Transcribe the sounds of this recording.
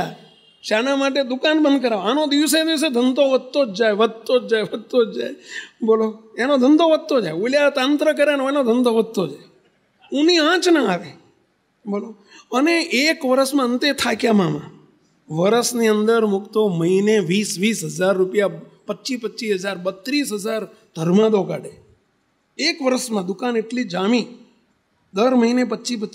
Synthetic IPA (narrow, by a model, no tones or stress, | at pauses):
a | ʃanamaʈ̬ed̪ʊkanbənd̪kəɾaʋanõd̪iʋsed̪iʋs̬ed̪ʱənt̪oʋəd̪̚t̪od͡ʒd͡ʒaeʋəd̪̚t̪od͡ʒd͡ʒaeʋəd̪̚t̪od͡ʒd͡ʒa̰eboloenõd̪ʱənd̪oʋəd̪̚t̪ːod͡ʒaeuljat̪ãnt̪ɾək̬əɾeəneonõd̪ʱənt̪oʋəd̪̚t̪od͡ʒae | ũniãt͡ʃnəaʋe | boːlo | əneʔekʋəɾəsmãənt̪et̪ʰakjamãmã̰ | ʋəɾəsniənd̪əɾmʊkt̪oməɦineʋisʋisɦəd͡ʒaɾːupjapətːʃipətːt͡ʃiɦəd͡ʒaɾbət̪ːɾisɦəd͡ʒaɾ | d̪̥ʱəɾmãd̪oɡa̰ɽe | ekʋəɾəʃmãd̪ʊkaneʈlid͡ʒamĩ | d̪əɾməɦinep̬ətːt͡ʃip̬ə